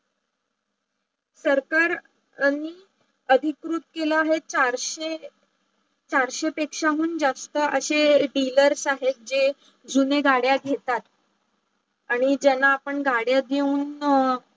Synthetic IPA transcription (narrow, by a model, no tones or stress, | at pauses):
səɾkaɾ | ni | əd̪ʱikɾut̪̚kelaːɦet͡ɕaɾɕe | t͡ɕaɾɕepekʂaɦuːnd͡zast̪əʔəɕeɖiləɾsaɦet̪̚d͡ʑe | d͡zuneɡaɽjaɡ̪ʱet̪at̪ | aɽ̃id͡ʑɛnːaːpəɳɡaɽjad̪euːn